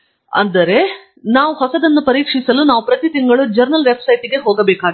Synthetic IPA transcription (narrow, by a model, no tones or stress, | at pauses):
ɐ̰nd̪ɐɾe̞ | naːʋuɦɔsɐd̪ɐnːupɐɾiːkʂisɐlunaːʋupɾɐt̪it̪iŋɡɐɭud͡ʒɐɾnɐlʋepsɐjʈiɡe̞ɦoːɡɐbeːkaːɡi